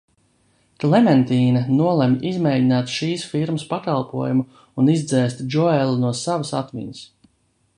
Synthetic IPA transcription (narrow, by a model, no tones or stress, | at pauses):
klɛmɛnt̪iːnɐnuɔlˠɛmʔizmɛːjɟinaːt̪ʃiːsfiɾməspakalˠpuɔjumu | unizd̪zɛːst̪d͡ʒɔɛlˠunuɔsavasa̰t̪mḭnəs